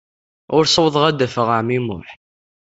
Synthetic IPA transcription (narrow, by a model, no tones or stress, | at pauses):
ʊɾsəwðˤʁæd̪æfəʁəʕmimʊ̰ħ